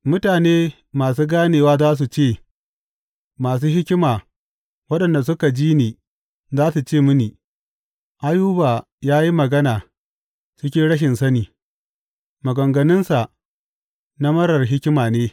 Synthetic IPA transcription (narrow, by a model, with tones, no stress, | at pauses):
mʊ˦taː˨neː˦ | maː˨s̬uː˦ɡaː˦neː˨waː˦zaː˦s̬u˨t͡ʃeː˦˨ | maː˨s̬uː˦ɦɪ˦kʲɪ˦maː˨ | wɐ˦ɗɐ˨nda˨s̬ʊ˦ka˨d͡ʒiː˦niː˨ | zaː˦su˨t͡ʃeː˦˨mʊ˦niː˨ | ʔa˦juː˦baː˨ | jaː˦ji˦mɐ˨ɡɐ˦naː˨ | t͡ʃɪ˦kʲɪ˦ɽɐ˦ʃ̬ɪ˨nsɐ˦niː˨ | mɐ˨ɡɐ˨ŋɡɐ˨nɪ˦nsa˨ | na˦mɐ˦ɾɐ˨rɦɪ˦kʲɪ˦maː˨neː˦